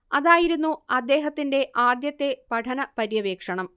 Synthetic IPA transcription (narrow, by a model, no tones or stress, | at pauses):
ɐðaːjiɾunːuɐd̪ːe̞ːɦɐt̪ːinde̞ʔaːd̪jɐt̪ːe̞pɐʈʰɐnɐpɐɾjɐʋeːkʂɐɳɐm